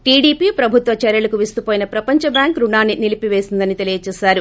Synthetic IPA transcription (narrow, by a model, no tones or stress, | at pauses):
ʈiːɖiːpiːpɾɐbʱut̪ʋɐt͡ʃɛɾjɐlɐkuʋist̪upoːjinɐpɾɐpɐɲt͡ʃɐbjaːŋkɾuɳaːnːinilipiʋe̞ːsind̪ɐnit̪elijɐt͡ʃɛːsaːɾu